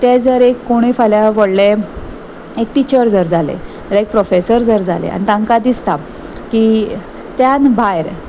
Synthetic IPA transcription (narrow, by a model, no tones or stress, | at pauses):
t̪ed͡zəɾekːoɽ̃ifaljaʋəɽle | ekʈit͡ɕəɾd͡zəɾd͡zalḛ | əɾek̚pɾofesəɾd͡zəɾd͡zalḛa̰nit̪ãŋkad̪ist̪a | ki | t̪janbʱajɾ